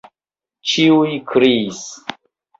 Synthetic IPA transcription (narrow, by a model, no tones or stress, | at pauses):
t͡ʃiujkʰɾis